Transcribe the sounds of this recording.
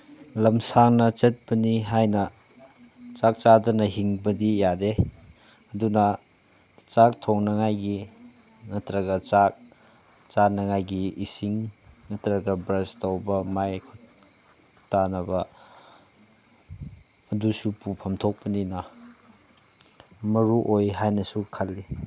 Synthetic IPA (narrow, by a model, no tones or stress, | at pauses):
lɐmsaŋnɐt͡ʃet̚bɐniɦajnɐ | t͡ʃak̚t͡ʃadɐnɐɦiŋbɐdijade | ɐduna | t͡ʃak̚tʰoŋnɐŋajɡi | ŋɐtɾɐɡɐt͡ʃak̚ | t͡ʃanɐŋajɡiisiŋ | ŋɐtɾaɡɐbɾestawbɐmajkʰut | tanɐbɐ | dusupupʰɐmtʰok̚pɐnina | mɐɾuʔojɦajnɐsukʰalːi